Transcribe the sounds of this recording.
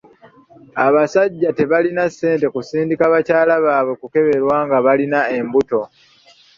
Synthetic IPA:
aβasaɟːate̞βalinasːe̞ːnte̞kusiːndikaβacaːlaβaːβwe̞kuke̞βe̞ɾwaːŋɡaβalinae̞mbuto̞

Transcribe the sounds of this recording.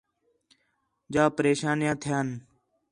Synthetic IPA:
d͡ʒaːpəɾeːʃaːnjãːt̪ʰɪjaːn

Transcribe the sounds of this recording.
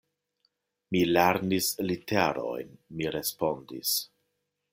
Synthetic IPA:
mileɾnisliteɾo̰jnmiɾe̞spo̞ndḭs

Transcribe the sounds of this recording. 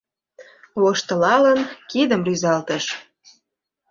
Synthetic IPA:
loʃt̪ə̆lɑlənkid̪əmryzɑlt̪əʃ

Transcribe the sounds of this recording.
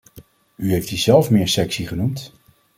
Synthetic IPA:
yɦejftizɛlˠfmɪːɹsɛksiχənumt

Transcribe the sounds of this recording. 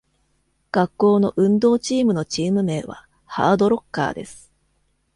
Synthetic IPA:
ɡ̥akːo̞ːno̞ʔɯ̟̃nd̪o̞ːt͡ɕiːmɯ̟no̞t͡ɕiːmɯ̟me̞ːβa̰ | ha̰ːd̪o̞ɾo̞kːa̰ːd̪e̞̰sɨ̥

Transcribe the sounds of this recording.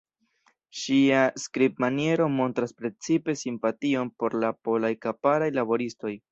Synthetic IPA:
ʃiaskɾipmanie̞ɾo̞mo̞ntɾaspɾe̞t͡sipe̞simpatio̞npo̞ɾlapo̞lajkapaɾajlabo̞ɾisto̞j

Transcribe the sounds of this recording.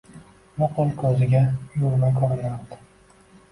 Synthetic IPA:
moqʰʊlˠkʰɵzɪɡʲajʊɾmakʰɒɾɪlaɾd̪ɪ̥

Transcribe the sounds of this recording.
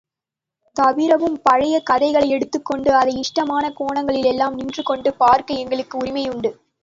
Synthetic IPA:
t̪ɐʋɪɾɐʋɯmpɐɻɐjɐkɐðɐɪɣɐɭɐɪɛɽɯt̪ːɯkːɔɳɖɯɐðɐɪɪʂʈɐmaːnɐkoːɳɐŋɡɐɭɪlɛlːaːmnɪndrɯkːɔɳɖɯpaːɾkɐɪɛŋɡɐɭɯkːɯʊɾɪmɐjʊɳɖɯ

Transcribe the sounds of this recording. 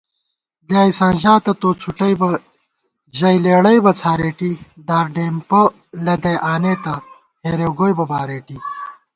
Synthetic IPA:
bjaːisãːnʑaːt̪ɐt̪oːt͡sʰuʈɐjbɐ | ʑɐjleːɽɐjbɐt͡sʰaːɾeːʈid̪aːɾɖeːmpɐ | lɐd̪ɐjʔaːneːt̪ɐ | heːɾoːɡoːjbɐbaːɾeːʈi

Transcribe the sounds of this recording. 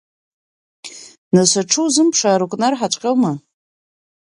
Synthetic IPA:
nasʷaʈ͡ʂʰuwzɨmpʰʂaːɾukʷʼnarħat͡ʃʷʼqʲʼelma

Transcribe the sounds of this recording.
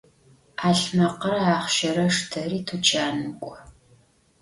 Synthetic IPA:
aːɬmɐqɐrɐaːχʃɐɾɐʂtʰɐriːtʰut͡ʃʰaːnɨkʷʼɔ

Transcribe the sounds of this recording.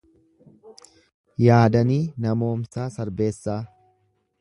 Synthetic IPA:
jaːd̪ɐniːnɐmo̞ːmsaːsɐɾbe̞ːsːaː

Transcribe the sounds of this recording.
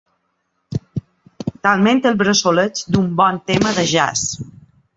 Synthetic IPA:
t̪alˠment̪əlˠβɾəsolət͡sd̪umbɔnt̪eməðəʒa̰s

